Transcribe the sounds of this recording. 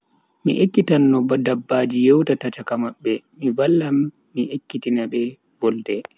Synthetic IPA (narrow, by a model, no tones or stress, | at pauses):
mḭʔekːitanːɔbadabːaːd͡ʒijɛwtatat͡ʃakamaɓːɛmivalːamː | iʔekːitinaɓɛ | vɔltɛ